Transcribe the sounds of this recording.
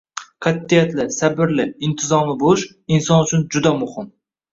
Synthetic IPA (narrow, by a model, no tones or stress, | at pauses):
qʰɑt̪ːijat̪lɪsabɪɾlɪɪnt̪ʰɪzɒmɪboʃ | insɒnʊt͡ʃʰʊnd͡ʒʊd̪amʊhɪm